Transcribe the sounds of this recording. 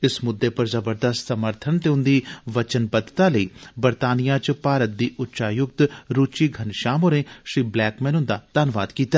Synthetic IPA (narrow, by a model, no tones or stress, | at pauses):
ɪsmʊd̪ːeːpɐɾzəbəɾd̪əst̪səməɾt̪ʰənt̪eːʊ̃nd̪iːʋət͡ʃənbəd̪t̪aləiːbəɾt̪aːnijãːt͡ʃpaːɾət̪̚d̪iːʔʊtːʃaːjʊɡ̚t̪ɾuːt͡ʃiːɡʱɐnʃaːmoɾẽːʃɾiːblɛːkmɛːnʊ̃nd̪aːd̪̥aːnʋa̰ːd̪kiːt̪aː